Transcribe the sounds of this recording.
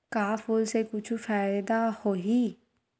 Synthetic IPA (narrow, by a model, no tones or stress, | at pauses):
kaːfulsekʊt͡ʃʰufaːɪd̪ahoːɦi